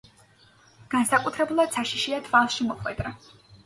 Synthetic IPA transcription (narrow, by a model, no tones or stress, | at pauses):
ɡ̥ansakʼut̪ʰɾɛbulˠad̪̥saʃiʃiat̪ʰvalˠʃimɔχʼwɛd̪ʼɾa